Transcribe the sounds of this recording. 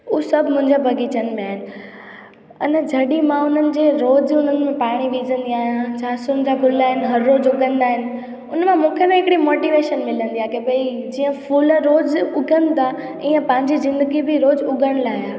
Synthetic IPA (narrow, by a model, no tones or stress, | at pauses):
ʊsɐbʱmʊ̃ɦɪ̃ɲd͡ʑabʱɐɡʱit͡ɕənmẽaːɦɪnɪ̆ | ʊ̰nəd͡ʑʱɐɗimãʊn̤ənɪ̆d͡ʑeːɾoːd͡ʑʊn̤ənɪ̆mẽpaːɽ̃iʋiːzə̃nd̪iaːɦijãd͡ʑʰaːsʊnd͡ʑapʊlaːɦɪnɪ̆ɦɐɾːoːd͡ʑʊɡʱə̃nd̪aːɦɪnɪ̆ | ʊnmãmũːkʰenẽɦɪkɽimoːʈiːʋeːʃənmɪlə̃nd̪iaːkebeid͡ʑiːə̃fuːlɾoːzʊɡʱənɪ̆t̪ʰa | ĩːə̃pɐ̃ɦɪ̃ɲd͡ʑizɪ̃nd̪əɡibɪɾoːzʊɡʱəɽ̃laːɪɦaː